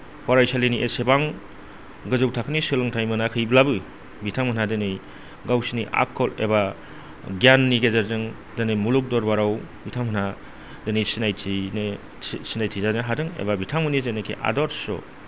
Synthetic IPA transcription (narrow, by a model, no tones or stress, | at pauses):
pʰɔɾajsaleniʔesebaŋ | ɡɯzɯwtʰakʰɯnisɯlɯŋtʰajmɯnakʰɯjblabɯ | bitʰamhɯnadɯnɯj | ɡawsiniʔa̰kʰːɔlḛba | ɡijanːiɡezaɾzɯŋ | dɯnejmuluk̚dɔɾbaɾawbitʰamhɯna | dɯnejsinajtʰine | sinajtʰizaneɦadɯŋḛbabitʰamɯnizenekʰḭʔa̰dɔɾsɔ̰